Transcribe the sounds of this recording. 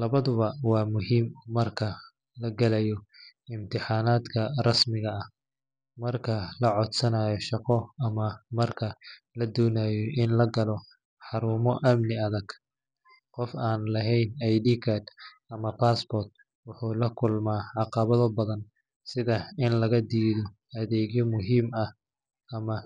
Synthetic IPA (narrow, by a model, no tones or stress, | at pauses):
lɐβɐðʊβɐwɑːmʊɦiːmːɐrkʰɐ | lɐɡɐlɛjɔɪmt̪ʰɪħɑːnaːd̪kʰɐrɐsmɪɣɐɐh | mɐrkʰɐlɐʕɔd̪sɐnaːjɔʃɑqɔɐmɐmɐrkʰɐ | lɐd̪ɔːnaːjɔɪnlɐɡɐlɔ | ħɑɾuːmɔʔɐmnɪɐðɐɡ̥ | qɔfaːnlɐɦɛjnɛjɖiːkʰad̪ | ɐmɐpʰaːsbɔrt̪̚ | wʊħuːlɐkʰʊlmaːʕɑqɑβɐðɔbɐðɐn | sɪðɐɪnlɐɣɐd̪iːðɔ | ɐðɛːɣjɔmʊɦiːmɐh | ɐmɐ